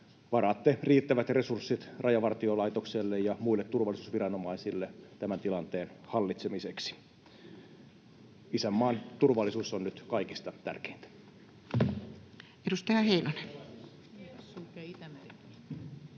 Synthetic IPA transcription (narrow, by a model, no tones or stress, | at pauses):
ʋɑrɑːt̪ːeriːt̪ːæʋæt̪resursːit̪rʔɑjɑʋɑrt̪iolɑit̪okselːejjɑmuilːet̪turʋɑlːˑisuːsʋirɑnomɑisilːet̪æmænt̪ilɑnt̪eːnhɑlːit̪semiseksi̥ | isæmːɑːnt̪urʋɑlːˑisuːsonnyt̪kɑikist̪ɑt̪æ̰rke̥int̪æ̥ | edust̪ɑhɑheinone